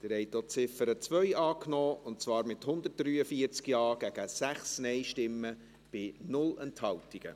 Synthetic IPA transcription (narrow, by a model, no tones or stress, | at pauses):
d̪̥əɾhɛɪtot͡sɪfəɾət͡sʋœʏʔɑːknɔːʊntt͡svɑːɾmɪthʊnd̪ət̚d̥ɾyːəfiəɾt͡skjɑːɡ̥æɡ̥əsæχsnɛɪʃtɪmːə | b̥ɪnʊlɛnthɑwtɪɡ̥ə̰